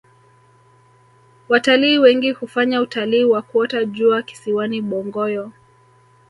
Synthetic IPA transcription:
wataliːwɛŋɡihufaɲautaliːwakuɔtaʄuaki̥siwaniɓɔŋɡɔjɔ

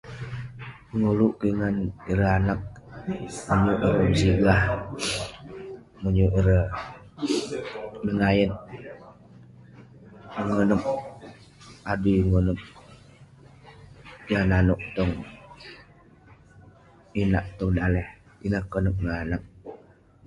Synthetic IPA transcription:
əŋuluʔkiŋaniɾəanak̚ | muɲuʔiɾəməsiɡah | muɲuʔiɾə | məŋajət̪̚ | əŋənəp̚ | adiŋunəp̚ | jananɔʔt̪ɔŋ | inaʔt̪ɔŋdalɛh | inakːənəp̚ŋaanak̚

